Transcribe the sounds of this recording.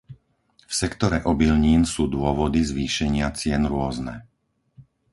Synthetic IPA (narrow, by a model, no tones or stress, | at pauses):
fsɛkt̪ɔɾɛʔɔbilɲiːnsuːd̪ʊɔʋɔd̪izʋiːʃɛɲɪat͡sɪɛnɾʊɔznɛ̰